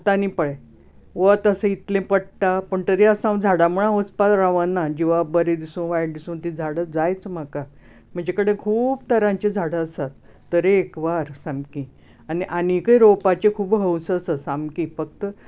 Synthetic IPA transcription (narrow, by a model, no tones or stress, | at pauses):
t̪anipəɭe | ʋət̪əsə̃it̪lẽpəɽʈ̪apəɳt̪əɾeəsãwd͡zʱaɽaməɭ̃ãʋəspaɾaʋənːad͡ʑiʋabəɾed̪isũʋajɽd̪isũːnt̪ĩd͡zʱaɽəd͡zajt͡sm̤aka | m̤əɳd͡ʑekəɽẽkʰuːbt̪ʰəɾãɲt͡ɕed͡zʱaɽəəsat̪ː | əɾeːkʋaɾsamkĩ | aniʔanikəjɾopat͡ɕekʰuːbɦəwsəsəsãmkĩfək̚t̪ə